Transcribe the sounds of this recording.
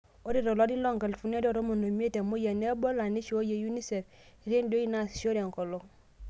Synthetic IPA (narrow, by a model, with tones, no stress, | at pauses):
o˦di˦ɾo˨lo˦di˦lo˦˨ŋka˨lfu˦n˦e˦do˨ɾo˦mo˨no˨mi˦e˦te˨mo˦je˨ne˦bo˦la˨ni˦ʃo˦je˨ju˦ni˦se˨f | i˨ɾi˦ndo˦ji˦na˦sʃo˦ɾe˨ŋ˨ko˨lo˨